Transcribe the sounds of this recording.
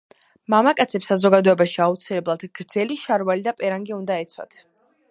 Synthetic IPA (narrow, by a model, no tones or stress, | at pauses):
mamakʼat̪sʰɛpsazɔɡad̪ɔɛbaʃiaut̪sʰilɛblˠad̪̥ɡ̥ɾd̪zɛliʃaɾvalid̪apʼɛɾaŋɡiund̪aɛt̪sʰwa̰t̪ʰ